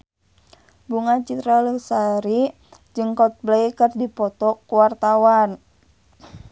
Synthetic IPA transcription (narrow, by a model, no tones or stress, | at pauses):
buŋat͡ʃit̪ɾaləsaɾi | d͡ʒɨŋkɔt̪̚blɛjkərdipɔt̪ɔkuwart̪awan